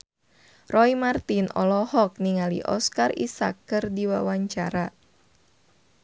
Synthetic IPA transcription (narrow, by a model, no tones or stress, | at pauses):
rɔimart̪inʔɔ̰lɔhɔk̚niŋalḭʔɔ̰skarḭsa̰kːɨrdiwawaɲt͡ʃaɾa